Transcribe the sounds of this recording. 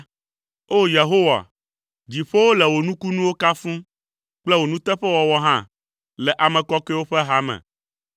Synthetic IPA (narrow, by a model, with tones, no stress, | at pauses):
o˦je˨ɦo˦wa̰˨ | d͡ʑi˨ɸo˦wo˦lɛ˨wo˨nũ˦ku˦nũ˦wo˦ka˦fũ˦ | k͡plɛ˦wo˨nũ˦t̪ɛ˦ɸɛ˦wɔ˨wɔ˨ɦã˦ | lɛ˨ʔa˨mɛ̃˨kɔ˦ke˦wo˦ɸɛ˦ɦa˦mɛ̰̃˨